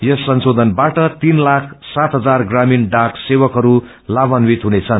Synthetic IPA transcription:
jʌsːʌnsod̪ʱʌnbaʈʌt̪inlakʰsat̪ɦʌd͡zarɡraminɖaksewʌkɦʌɾu | labʌnwit̪ɦunet͡sʰʌn

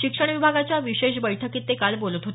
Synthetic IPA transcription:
ʃikʂəɽ̃bibʱaɡat͡ɕaʋiɕeʃ̬bəjʈʰakit̪ːekalbolut̪ɦot̪

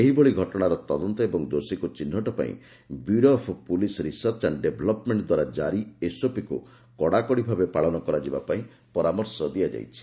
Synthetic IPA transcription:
eɦiboɭiɡʱɔʈɔɽ̃aɾɔt̪ɔd̪ɔnt̪ɔebɔŋd̪osikut͡ʃinːɔʈɔpa̰ḭ̃ | buɾɔpʰpulisɔɾisɔɾt͡ʃanɖebʱɔlɔpmeɳʈd̪waɾad͡ʒaɾiesopikṵ | kɔɽakɔɽibʱabepaɭɔnɔkɔɾad͡ʒibapaĩ | pɔɾamɔɾsɔd̪ijad͡ʒa̰jt͡ʃʰi̥

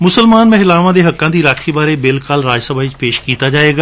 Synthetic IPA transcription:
mʊsəlmaːnmẽɦɪlaːʋãd̪eɦɐkːãd̪iɾaːkʰibaːɾebeːlkaːlɾaːd͡ʒsəbʱaːɪt͡ʃpeːʃkiːt̪ad͡ʒaːeːɡaː

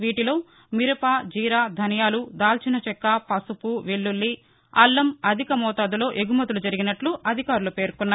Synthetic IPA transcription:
ʋiːʈilo̞ː | miɾɐpaːd͡ʒiːɾaːd̪ʱɐnɐjaːlud̪aːlt͡ʃinɐt͡ʃɛkːapɐsupuʋeɭːulːi | ɐ̰lːɐmɐd̪ʱikɐmɔːt̪aːd̪ulo̞ːʔeɡumɐt̪ulud͡ʒɐɾiɡinɐʈluʔɐd̪ʱikaːɾulupe̞ːɾkunːaː

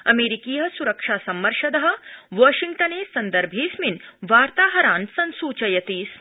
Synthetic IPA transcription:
ɐmeːɾikiːɦɐ̆suɾɐkʂaːsɐmːɐɾʂɐd̪ɐɦɐ̆ʋaːʃiŋɡʈɐneːsɐnd̪ɐɾbʱiːsminʋaːɾt̪aːɦɐɾaːnsɐnsuːt͡ʃɐjɐt̪iːs

